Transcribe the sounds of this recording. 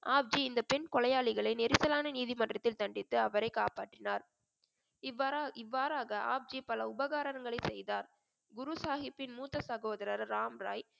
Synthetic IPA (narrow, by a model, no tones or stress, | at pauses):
ʔaːb̚d͡ʒiɪnd̪ɐpɛnkɔlɐjaːɭɪɣɐɭɐɪnɛɾɪsɐlaːnɐniːðimɐndrɐt̪ːɪlt̪ɐɳɖɪt̪ːɯɐʋɐɾɐɪkaːpaːʈrɪnaːɾ | ɪʋːaːɾaːɣɐa̰ːb̚d͡ʒipɐlɐʊbɐɣaːɾɐnɐŋɡɐɭɐɪsɛjðaːɾ | ɡʊɾusaːɣɪpːɪnmuːt̪ːɐsɐɣoːðɐɾɐɾːaːmɾa̰ːj